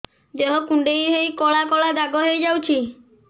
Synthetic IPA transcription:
d͡ʒeɦɔkũɳɖejɦejkɔɭakɔɭad̪aɡɔɦejd͡ʒawt͡ʃʰi

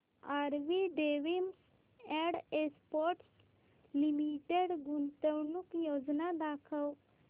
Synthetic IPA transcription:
aɾʋiɖeʋim | ɛ̃ɖespɔʈs | limiʈeɽɡunt̪əwnukjod͡ʒnad̪aːkʰəw

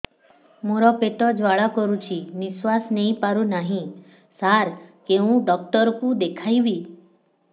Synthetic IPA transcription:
moɾɔpeʈ̪ɔd͡ʒʋaɭakɔɾũt͡ʃʰiniswasneĩpaɾũnaɦĩ | saɾkeũɖɔk̚ʈɔɾkũd̪ekʰajʋi

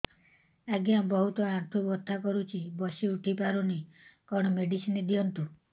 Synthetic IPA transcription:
aɡjabɔɦut̪ɔat̪ʰubɔt̪ʰːakɔɾut͡ʃʰibɔsiuʈʰipaɾuni | kɔɽ̃ɔmeɖisinid̪iɔnt̪u

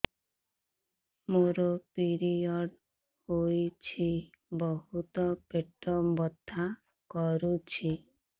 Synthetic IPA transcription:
moɾɔpiɾiɔɖ | hojt͡ʃʰi | bɔɦut̪ɔpeʈɔbɔd̪ʱa | kɔɾut͡ʃʰi

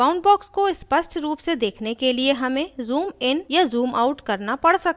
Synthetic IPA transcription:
aːʊɳɖbɔːkskoɪspɐsʈʰɾuːpsed̪eːkʰnekelieɦɐmẽzuːmɪnjazuːma̰ʊʈkɐɾnapɐɽsɐk̚

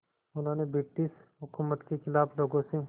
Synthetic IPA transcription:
ʊnɦaːnebɪʈːɪsɦʊkʰʊmːət̪kexɪlaːfloːɡõse

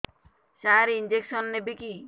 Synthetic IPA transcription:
saɾiind͡ʒeksɔnːebiki

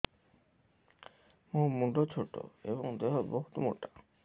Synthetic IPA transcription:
mũmuɖʱot͡ɕʰoʈo̰eboŋd̪eɦoboɦut̪omṵɾʈa

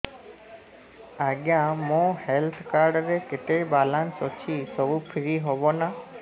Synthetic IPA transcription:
aɡjãmõhelt̪ʰkaɾɖɔɾeket̪ebalansɔt͡ʃʰisɔbupʰiɾiɦobɔna

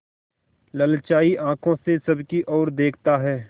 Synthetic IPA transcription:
ləlt͡ʃaːiʔãːkʰõsesɐbkiʔɔːɾd̪eːkʰt̪aɦɛː

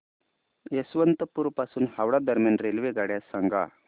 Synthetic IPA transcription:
esʋənt̪əpuːɾpasuːnhaʋɽad̪əɾmjanɾelʋeɡaɽjasaŋɡa̰

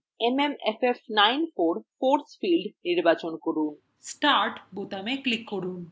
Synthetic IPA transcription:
ememefefnajnfoɾfoɾsfilɖniɾbat͡ɕonkoɾun | sʈaɾʈbot̪ameklikːoɾun

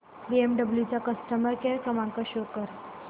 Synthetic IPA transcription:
ʋiemɖəbljut͡ɕakəsʈəməɾkeɾkəmãŋkəɕokəɾ

